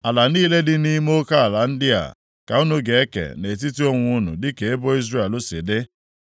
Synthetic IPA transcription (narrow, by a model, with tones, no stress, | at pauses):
a˨la˨niː˦le˦dɪ˦ni˦mo˦ka˦a˨la˨n̩˦dɪ˦a̰˨ | ka˨ʊ˦nʊ˦ɡe˨e˦kḛ˨ne˨t̬i˦ti˦o˦ŋʷʊ˦ʊ˦nʊ̰˨dɪ˦ke˨e˦bo˦i˦zɾe˦˨e˨lʊ˦sɪ̰˨dɪ˦